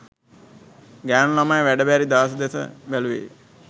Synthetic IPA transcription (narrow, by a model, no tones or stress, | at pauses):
ɡæːnlamajʋæɖəbæɾid̪aːs̬əd̪esə̰bæluʋḛː